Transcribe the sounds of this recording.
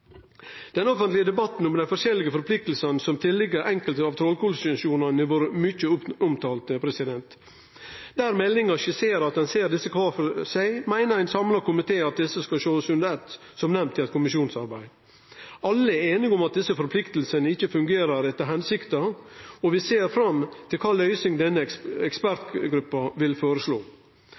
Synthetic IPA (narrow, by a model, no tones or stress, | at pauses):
d̪̥ɛnɔfənt̪lɪəd̪ɛbɑt̪n̩ɔmd̪ɛnfɔɾʃɛlːɪɡəfɔɾpʰlɪk̚t̪əl̩sənsɔmt̪ʰɪlːɪɡəɾʔɛŋkəlt̪əɑːʋt̪ʰɾɔlkuːlsʉʃuːnɑnɪʋoːɾəmʏçəʊʊmt̪ʰɑːlt̪əpʰɾɛsɪd̪ɛnt̪ | d̪̥æːɾmɛlːɪŋɑʃəseːɾɑt̪̚d̪ɛnseːɾd̪ɪsːəkʰʋɑːfɔsæɪmæɪnəɾæɪnsɑmlɑɾkʊmɪt̪ʰeːɑt̪̚d̪ɪsəskɑlʃoːəsʉnd̪ɛt̪ | sɔmnɛmt̪ʰːɪɛt̪̚kʰʊmɪʃjuːnsɑɾbæɪ | ɑlːəæeːnɪɡɔmɑt̪̚d̪ɪsːəfɔɾpʰlɪkt̪əl̩sənəɪçːəfʉŋɡeːɾəɾɛt̪ːəɾɦɛnsɪkt̪ɑɔʋɪseːɾfɾɑmt̪ʰɪlkʰɑːlœʏsɪŋd̪ɛnːəɛkspæɾt̪ɡɾʉpːɑʋɪlfoːɾəsloː